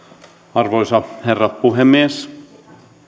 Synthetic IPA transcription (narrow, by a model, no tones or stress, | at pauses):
ɑrʋoisɑherːɑtpuɦemːies